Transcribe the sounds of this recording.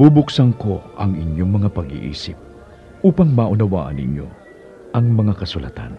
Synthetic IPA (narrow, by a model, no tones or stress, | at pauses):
b̥ubʊksɐŋko̞ʔɐŋɪɲjo̞ŋmɐŋapɐɡḭʔḭːsɪp̚ | ʔuːpɐŋmaʔʊnɐwa̰ːʔɐ̰nɪ̰ɲjo̞̰ | ʔɐŋmɐŋakɐsulɐ̰t̪a̰n